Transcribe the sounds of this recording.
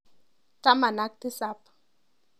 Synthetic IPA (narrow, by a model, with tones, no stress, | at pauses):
ta˦ma˨na˦k̚t̪i˦sa˦p